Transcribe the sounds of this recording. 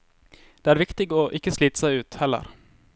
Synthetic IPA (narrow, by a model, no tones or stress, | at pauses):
d̪̥eːæɾʋɪkt̪ɪɡoːʔɪkːəsliːt̪ə̥sæɪʉːt̪hɛlːə̰ɾ